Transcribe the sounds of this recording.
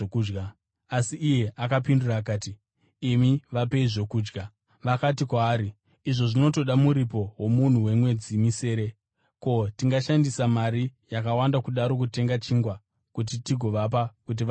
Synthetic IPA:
kuːɡa | asiʔːje̞ʔakapinduraːkaːti | imiʋape̞iʐo̞kuːd͡ʒɡa | ʋakatikwaːɾi | iʐo̞ʐino̞to̞ɗamuɾipo̞womun̤uwe̞mwe̞d͡zimise̞ːɾe̞ | ko̞tiŋɡaʃandisamaɾijakawandakuɗaɾo̞k̬ute̞ŋɡat͡ʃiːŋɡwa | kut̬itiɡʱo̞ʋap̬akut̬iʋ

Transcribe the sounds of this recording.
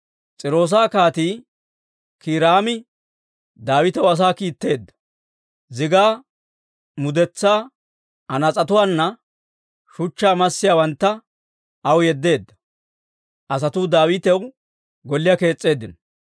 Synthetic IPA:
t͡sʼɪɾo̞ːs̬aːkaːt̪iː | kiːɾaːmɪ | d̪aːwɪt̪ɛwɐs̬aːkiːt̪ːe̞ːd̪ːɐ̥ | zɪɡaː | mʊd̪ɛt͡sːaː | ɐnɐt͡sʼɐt̪ʊwaːnːɐ | ʃʊt͡ʃːaːmɐsːɪjaːwɐnt̪ːɐ | ʔɐwjɛd̪ːe̞ːd̪ːɐ̥ | ʔɐs̬ɐt̪ʊd̪aːwɪt̪ɛw | ɡɔlːɪjɐke̞ːt͡sʼːe̞ːd̪ːɪnɔ

